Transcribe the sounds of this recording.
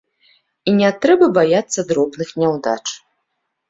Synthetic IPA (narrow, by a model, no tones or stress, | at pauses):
inʲɛt̪ɾɛbɐbajat̪sːɐd̪ɾɔbnɨxnʲɛwd̪a̰t͡ʂ